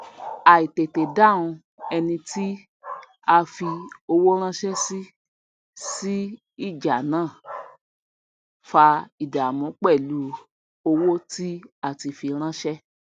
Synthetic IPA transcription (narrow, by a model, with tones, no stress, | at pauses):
a˨i˨te˨te˨dã˦˨ũ˧ | ɛ˧nĩ˧ti˦ | a˧fi˧o˧wo˦ɾ̃ã˦ʃɛ˦si˦ | si˦ | i˦˨d͡ʒa˨nãː˦˨ | fa˧i˨da˨a˨mɔ̃˨˦k͡pɛ˦˨lu˨˦ | o˧wo˦ti˦a˧˨ti˧fi˧ɾ̃ã˦ʃɛ˦